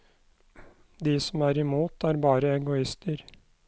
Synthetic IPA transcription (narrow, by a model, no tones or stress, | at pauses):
d̪iːsɔmæːɾɪmuːt̪ʰæːɾbɑːɾəɛŋɡʊɪst̪əɾ